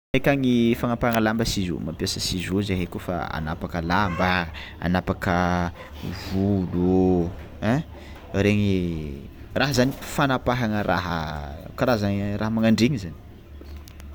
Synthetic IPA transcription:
ekʲaŋifanapaaŋəlambəsizṵmampiasəsizuzeɦekufa̰a̰napakəlambəa̰napakə | vuluu | ɛ̃ | ɾeɲi | raɦəzani̥fanapaɦaŋərʔa̰ɦəkaɾazaŋraɦəmaŋaɳɖ͡ʐeŋizani̥

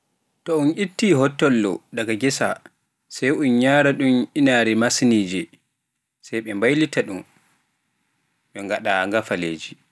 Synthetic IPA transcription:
tɔunʔitːiːɦɔtːɔlːɔ̰daɡaɡɛsa | sajunɲaːɾaɗumʔinaɾɛmasniːd͡ʒɛ | sajɓɛmbajlitaɗum | ɓɛŋɡaɗaŋɡafaleːd͡ʒi

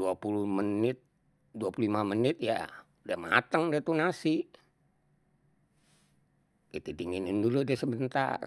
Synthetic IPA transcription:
uapulumənɪt̪̚ | duapuluimamənɪt̪̚ja̰ | udamaa̰t̪əŋdat̪unasi | kit̪it̪iŋininduludɛsəbənt̪a̰r

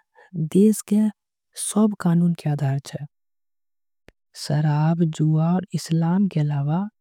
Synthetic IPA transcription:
d̪eːske | səbkaːnuːnkeaːd̪ʱaːɾt͡ʃʰɛ | səɾaːbd͡ʒuːaɔːɾɪslaːmkeəlaːwa

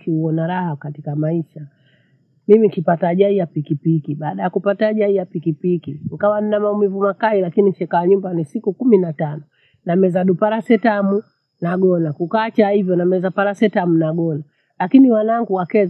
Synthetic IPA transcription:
kʰiuɔnaɾahakatikamaiʃa | mimikipataʄaijapikipikiɓaːɗajakupataːʄaijapikipikiŋikawaninamaumivumakailakiniʃɛkaːɲumbanisikukuminatanɔ | namɛzaɗupaɾasɛtamu | naɡɔnakukat͡ʃahivjɔnamɛzapaɾasɛtamunaɡɔna | lakiniwanaŋɡuwakɛz

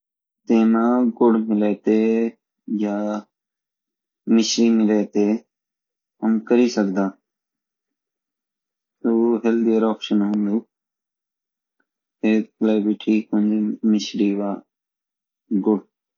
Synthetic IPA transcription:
t̪eːnãːɡʊɽmɪleːt̪eː | jaː | mɪʃɾiːmɪleːt̪eː | ɦəmkəɾiːsəkd̪ãː | t̪oɦeld̪ijəɾɔːpʃənɦə̃mluː | eːkleːbiʈʰiːkʊ̃nd͡ʒemɪʃɾiːʋaː | ɡʊɽ

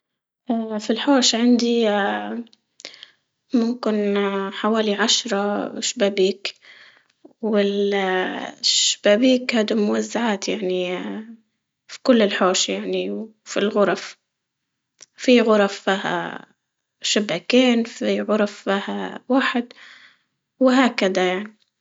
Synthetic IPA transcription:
ʔaːfilħoːʃʕand̪i | mʊmkɪnħawaːliʕaʃɾˤɑʃbaːbiːk | wɪl | ʃb̥aːbiːkhaːd̪umʊwazːaʕaːt̪jaʕni | fi̥kʊlːɪlħoːʃjaʕniwfilɣʊɾˤɑf | fiɣʊɾˤɑfːiːha̰ | ʃabakeːnfiɣʊɾˤɑfːiːhawaːħɪd̪ | wɪɦaːkad̪ajaʕni

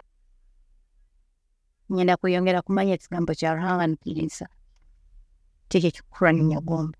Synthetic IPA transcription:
ɲɛndakujɔŋɡɛɾakumaɲat͡ʃiɡambot͡ʃaɾuhaŋanikiɾḭsa | tet͡ʃat͡ʃi̥kʰuɾaniɲaɡɔːmba

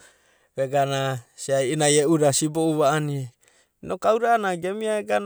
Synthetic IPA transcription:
βeɡanasiajinajeuɾasiboʔuβaːnie | nokauɾaːnaɡemiaeɡan

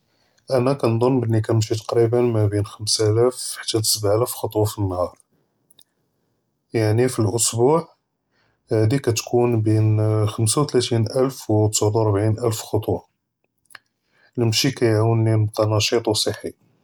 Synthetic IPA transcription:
ʔænækænd̪ˤonːbənːikæmʃit̪ɑ̥qɾibənmæbinxəmsælæfħt̪ːæt̪səbʕʔælæfxɑt̪ˤwɑfinːhɑɾˤ | jaʕnifilʔʊsbuʕ | hæd̪ikæt̪kʰunbinxəmsawt̪læt̪inʔəlfwt̪ə̥sʕd̪uɾˤbʕinʔəlfxɑt̪ˤwɑ | lmʃikæjʕawənːint̪ɑnɑʃit̪ˤwsˤəħːi

